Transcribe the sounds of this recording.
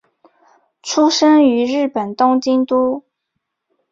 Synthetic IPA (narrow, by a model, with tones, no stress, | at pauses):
ʈ͡ʂʰu˥ʂə˥ŋy˧˥ɻɻ̩˥˩pə˨˩nt̪ʊ˥ŋt͡ɕi˥ŋt̪u˥